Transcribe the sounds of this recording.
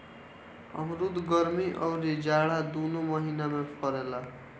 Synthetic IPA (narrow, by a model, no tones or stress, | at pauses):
ʌ̰mɾud̪ɡʌɾmiʔʌwɾid͡zaɽad̪unomʌɦinamapʰʌɾela